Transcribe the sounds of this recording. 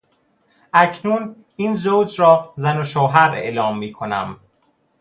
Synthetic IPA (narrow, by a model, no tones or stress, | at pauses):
ʔæcʰnuːn | iːnzowd͡ʒɾɒːzænoʃoːɦæɾḛʔlɒːmːiːkʰonæ̰m